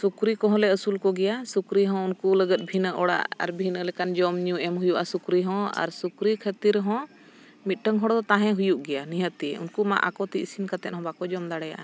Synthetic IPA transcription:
sukɾikɔɦɔ̃lɛəsulkɔɡɛjasukɾiɦɔ̃unkuləɡət̪̚ˀbʱinəʔɔɽa̰ʔa̰ɾbʱinəlɛkand͡ʒɔmɲũɛmɦujuʔasukɾiɦɔ̃a̰ɾsukɾikʰət̪iɾɦɔ̃ | mit̪̚ˀʈəŋɦɔɽd̪ɔt̪aɦɛ̃ɦujuʔɡɛjaniɦət̪iṵnkuma̰ʔa̰kɔt̪iisinkat̪ɛt̪̚hɔ̃bakɔd͡ʒɔmd̪aɽɛja̰ʔa

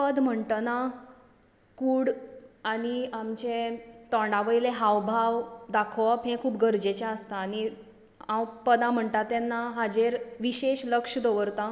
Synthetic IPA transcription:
pəd̪m̤əɳʈ̪əna | kuːɽaɽiamt͡ɕet̪ɔ̃ɳɖaʋəjleɦaʋbʱaʋd̪akʰɔpɦẽkʰuːp̚ɡəɾd͡ʑet͡ɕaəst̪aːni | ãwpəd̪ãm̤əɳt̪at̪ːanːaɦad͡ʑeɾʋiɕeɕləkʂd̪oʋəɾt̪a

